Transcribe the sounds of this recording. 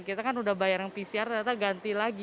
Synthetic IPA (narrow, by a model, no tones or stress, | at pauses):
kit̪akanudahbajaɾjaŋpisiart̪aat̪aɡant̪ilaɡi